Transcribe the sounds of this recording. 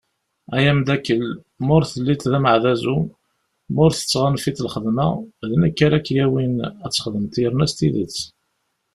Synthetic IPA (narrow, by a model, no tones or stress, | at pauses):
æjæmd̪ækːəl | mʊɾθəlːit̪ðæməʕðæzu | mʊɾθə̥t͡sːʁanfit̪əlχəðmæ̰ðənəkːaɾækːjæwinæt͡sːχəðəmt̪iəɾnæst̪iðḭt͡sː